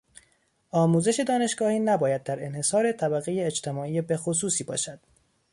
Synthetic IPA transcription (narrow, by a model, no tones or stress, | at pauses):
ʔɒːmuːze̞ʃe̞d̪ɒːne̞ʃɡɒːhiːnæbɒːjæd̪̚ːæɾe̞nhe̞sɒːɾe̞t̪ʰæbæɣe̞jeːt͡ʃt̪ʰe̞mɒːiːjebe̞xos̬uːsiːbɒ̰ːʃæd̪̥